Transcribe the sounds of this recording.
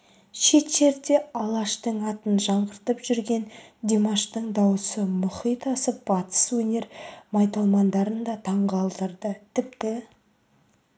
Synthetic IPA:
ʃe̞t̪ʃe̞ɾd̪e̞ɑlˠɑʃt̪əɴɑt̪ənʒɑɴʁəɾt̪əpʒ̥ʏɾɡʲe̞nd̪ʲemaʃt̪əɴd̪ɑwəsəmʊχijt̪ɑsəp̚b̥ɑt̪ə̥swɵne̞ɾmɑjt̪ɑlˠmɑnd̪ɑɾənd̪ɑt̪ʰɑɴʁɑlˠt̪əɾd̪ət̪ʰɪp̚t̪ɪ

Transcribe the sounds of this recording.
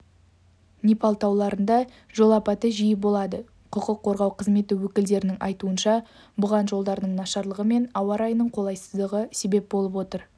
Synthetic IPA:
nipɑlˠt̪ɑwlˠɑɾənd̪ɑ | ʒo̞lˠɑpɑt̪əʒijɪbo̞lˠɑd̪ə | qʰəqəqʰːo̞ɾʁɑwqʰəzme̞t̪ɪwɵkʲɪld̪e̞ɾɪnɪŋʔɑ̰jt̪uənʃɑ | bʊʁɑnʒo̞lˠd̪ɑɾd̪əɴnɑʃɑɾlˠəʁəme̞nɑwɑɾɑjnəɴqʰo̞lˠɑjsəzd̪əʁəse̞be̞p̚bo̞lˠəpwo̞t̪əɾ

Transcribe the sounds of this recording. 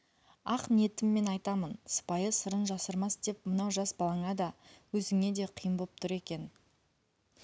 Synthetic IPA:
ɑqnije̞t̪ɪmːe̞nɑjt̪ɑmənsə̥pɑjəsəɾənʒɑsəɾmɑsd̪̥e̞pmənɑwʒɑsbɑlˠɑɴɑd̪ɑwɵzɪŋe̞d̪e̞qʰijəmbolˠp̚t̪ʰʊɾe̞kʲe̞n

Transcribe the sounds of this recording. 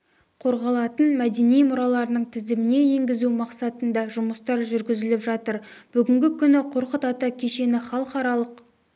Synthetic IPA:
qʰo̞ɾʁɑlˠɑt̪ənmæd̪e̞nijmʊɾɑlˠɑɾənəɴt̪ʰɪzd̪ɪmɪne̞je̞ŋɡʲɪzumɑqsɑt̪ənd̪ɑʒʊməst̪ɑɾʒʏɾɡʲɪzɪlɪpʒɑt̪əɾb̥ʏɡʲɪŋɡʲɪkʲʰʏnɪqʰoɾqət̪ɑt̪ɑkʲʰe̞ʃe̞nɪχɑlˠqɑɾɑlˠəq

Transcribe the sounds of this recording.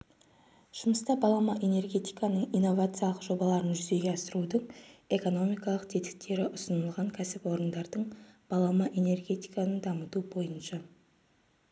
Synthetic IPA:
ʒ̥ʊməst̪ɑbɑlˠɑmɑʔe̞ne̞rɡʲe̞t̪ijkɑnəɴijnːo̞vat̪sɨjalˠəqʒo̞bɑlˠɑɾənʒʏze̞ɡʲeɑsəɾud̪əɴe̞ko̞no̞mijkɑlˠəq̚t̪ʰe̞t̪ɪ̥k̚t̪e̞ɾɪʔʊsənəlˠʁɑŋkʲʰæsɪpwo̞ɾənd̪ɑɾd̪əɴb̥ɑlˠɑmɑʔe̞ne̞rɡʲe̞t̪ijkanənd̪ɑmət̪ubo̞jənʃɑ

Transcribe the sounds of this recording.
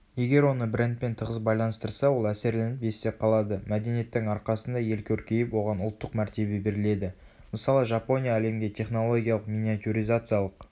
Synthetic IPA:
je̞ɡʲe̞ɾwo̞nəbɪɾent̪̚pe̞nt̪ʰəʁəzbɑjlˠɑnəst̪əɾsɑwo̞lˠæse̞ɾle̞nɪpje̞st̪ːe̞p̚qʰɑlˠɑd̪əmæd̪e̞nije̞t̪ːɪŋɑɾqɑsənd̪ɑje̞lkʲʰɵɾkʲe̞jɪpwo̞ʁɑnʊlˠt̪ːəqmæɾt̪e̞be̞be̞ɾɪle̞d̪ɪ | məsɑlˠəʒɑpo̞nʲijaːle̞mɡʲe̞t̪ʰe̞χno̞lˠo̞ɡʲijalˠəqmʲinʲiat̪ʲuɾijzat̪sɨjalˠəq

